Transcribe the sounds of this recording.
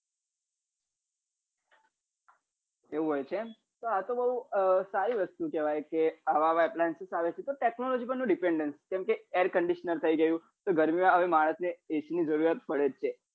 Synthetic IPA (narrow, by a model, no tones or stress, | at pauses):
eũɦojt͡ʃʰe | t̪oat̪obəɦusaɾiʋəst̪ukɛʋajkeaʋaʋajplajnsesaʋet͡ʃʰet̪oʈeknɔlɔd͡ʒipənũɖipeɳɖənskɛ̃mkeeɾkəɳɖiʃnəɾt̪ʰəiɡəjũ | t̪oɡəɾmimaəʋemaɭ̃əsneesinid͡ʒəɾuɾat̪̚pəɽet͡ʃʰe